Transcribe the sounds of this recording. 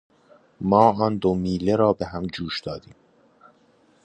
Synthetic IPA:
mɒːɒːnd̪omiːleɾɒːbe̞ɦæmd͡ʒuːʃd̪̥ɒːd̪iːm

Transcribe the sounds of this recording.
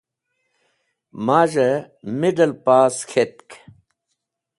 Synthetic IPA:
maːʑɐ | miɖɐlpaːskʰet̪̚k

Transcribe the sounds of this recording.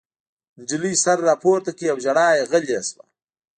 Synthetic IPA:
nd͡ʒɪlisaɾːɑːpʰoːɾt̪akejawʒaɽɑːjeɣəleswa̰

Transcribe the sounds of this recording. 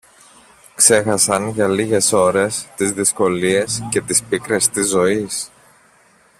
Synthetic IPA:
kse̞xɐsɐnʝɐliʝe̞so̞ɾe̞st̪izðisko̞lie̞sce̞t̪ispikɾe̞st̪izːo̞is

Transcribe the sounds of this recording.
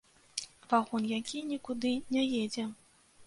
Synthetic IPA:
vaɣɔnjakʲinʲikud̪ɨnʲɛjɛd͡zʲɛ

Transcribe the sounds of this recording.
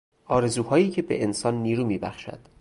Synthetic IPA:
ʔɒːɾe̞zuːhɒːjiːcʰe̞bḛʔensɒːnːiːɾuːmiːbæ̰xʃæ̰d̪̥

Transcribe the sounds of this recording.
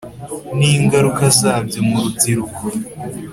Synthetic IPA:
niŋɡaɾukasaːbɟemuɾubziɾuko

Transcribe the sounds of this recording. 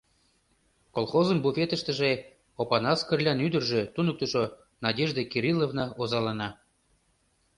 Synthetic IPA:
kolˠχozənbufʲet̪əʃt̪ə̆ʒe | opɑnɑskərlʲɑnyd̪ərʒĕt̪unək̚t̪uʃo | nɑdʲeʒd̪ekiɾʲilovnɑozɑlɑnɑ

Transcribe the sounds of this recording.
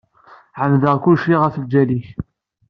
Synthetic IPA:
ʕəmðəʁkʊlʃiʁəfəld͡ʒːæliç

